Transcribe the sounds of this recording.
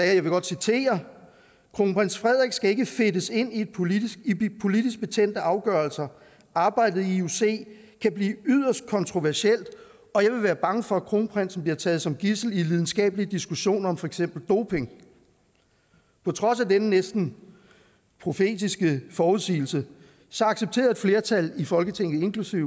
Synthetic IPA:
sɛːjɑ̈ɪʋe̝ɡ̥ɒ̽d̥sit͡sʰe̝̰ːɐ | kʰʁoːŋpʰʁen̰sfʁɛð̞ˠʁɛɡ̥sɡ̥æe̝ɡ̥əfe̝dəse̝n̰ied̥ʰipʰo̝lid̥isɡ̥̚b̥e̝t͡sʰen̰d̥əɑ̈ʊɡ̥ɶɐlsɐ | ʔɑ̈ːb̥ɑ̈ɪ̰d̥ð̩ˠiiuse̝̰ː | kʰæb̥liːyð̰ˠɐsd̥̚kʰɒ̽nt͡sʰʁo̝ʋæɐɕiel̰d̥ | ɒ̽jɑ̈ɪʋe̝ʋæːɐb̥ɑ̈ŋəfɒ̽æ̥kʰʁo̝ːŋpʰʁɛn̰sn̩b̥liɐt͡sʰɛːð̞̩ˠsɒ̽mɡ̥isl̩ilið̞ˠn̩sɡ̥ɛ̰ːb̥əlid̥isɡ̥uɕo̝̰ːnɐɒ̽mfɒ̽eɡ̥sem̰b̥l̩d̥o̝̰ːpʰe̝ŋ | pʰɒ̽t͡sʰʁɒ̽sædenənesd̥n̩ | pʰʁo̝fe̝̰ːd̥isɡ̥əfɒːuðˠsḭːl̩sə | sɒ̽ɑ̈ɡ̥seb̥̚t͡sʰe̝̰ːɐe̝d̥fle̝ːɐt͡sʰælifɒ̽lɡ̥ət͡sʰeŋ̰ð̩ˠe̝nkʰlusiʊ̰

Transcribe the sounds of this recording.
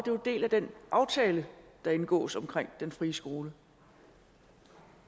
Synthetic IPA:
ɒd̥e̝d̥e̝̰ːlæd̥enʔɑ̈ʊt͡sʰɛːləd̥ɑ̈e̝nɡ̥ɔ̰̽ːsɒ̽mkʰʁeŋ̰d̥enfʁiːəsɡ̥o̝ːlə

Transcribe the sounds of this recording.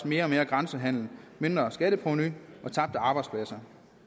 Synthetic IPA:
sme̝ːɐme̝ːɐɡ̥ʁɑ̈nsəɦæn̰ln̩me̝nd̥ʁɐsɡ̥ædəpʰʁonyʔɒ̽t͡sʰɑ̈b̥̚d̥əɑ̈ːb̥ɑ̈ɪdspʰlæsɐ

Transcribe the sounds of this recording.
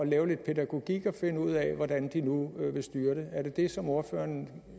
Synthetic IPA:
ɒlɛːʊle̝d̥̚pʰe̝d̥æɡ̥o̝ɡ̥iɡ̥ɒ̽fe̝nəuð̞̰ˠɛʋɒd̥ænd̥inuʋe̝sd̥yːɐɾ̥eæɐdɾe̝d̥e̝sɒ̽mo̝ɐfø̰ːɐn

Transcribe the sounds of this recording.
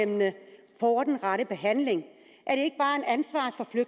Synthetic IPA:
emnə | fɒːd̥enʁɑɾəb̥e̝ɦæn̰le̝ŋ | ʔæɐɾ̥e̝e̝ɡ̥əb̥ɑ̈ːe̝dænsʋɑ̰̈ːfɒ̽fløɡ̥̚

